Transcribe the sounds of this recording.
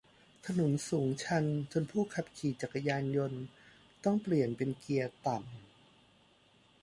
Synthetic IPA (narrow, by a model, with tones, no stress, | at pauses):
t̪ʰa˧nu˩˦nsuː˩˦ŋt͡ɕʰa˧˥nt͡ɕo˧npʰuː˥˩kʰa˨˧˥p̚kʰiː˨˩t͡ɕa˨˩kːa˧jaː˧njo˧n | t̪ɔ˥˩ŋpli˨˩ənpe˧nki˧ɐt̪a˨˩m